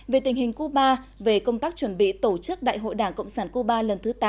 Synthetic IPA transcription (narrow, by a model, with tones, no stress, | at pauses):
ve˨˩t̪ï˨˩ŋ̟hï˨˩ŋ̟ku˧˦ɓaː˧ | ve˨˩kə˧wŋ͡mt̪aː˦˥k̚t͡ɕwə˧˩nɓḭ˧˨t̪o˧˩t͡ɕɨ˦˥k̚ɗa̰ː˧˨jɦo̰˧˨jɗaː˧˩ŋkə̰˧˨wŋ͡msaː˧˩nku˧˦ɓaː˧lə˨˩nt̪ʰɨ˨˦t̪a˨˦